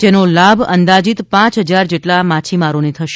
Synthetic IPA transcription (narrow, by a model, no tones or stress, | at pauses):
d͡ʒenolabʱənd̪ad͡ʒit̪pãt͡ʃɦəd͡ʒaɾd͡ʒeʈlamat͡ʃʰimaɾonet̪ʰəʃ